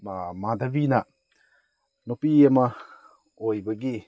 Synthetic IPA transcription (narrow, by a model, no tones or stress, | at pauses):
mamadabinɐ | nopiɐmɐ | ojbɐɡi